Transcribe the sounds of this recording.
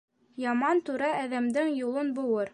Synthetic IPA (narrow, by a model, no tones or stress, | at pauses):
jɑmɑnt̪ʉɾɑæðæmd̪ɘŋjulˠɤnbuwɤɾ